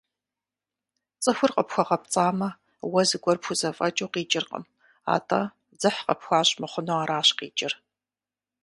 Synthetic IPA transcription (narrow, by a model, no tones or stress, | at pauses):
t͡sʼɨxʷʊrqʼəpxʷɐʁɐp̚t͡sʼaːmɐ | wɐzɨɡʷɔrpʰxuzɐfʼɐt͡ʃʼuːqiːt͡ʃʼɪrqə̰m | a̰ːtʰʼaː | d͡zɨħqəpxʷaːɕʼmɨχʷʊnoaːɾaːɕqḭːt͡ʃʼɪr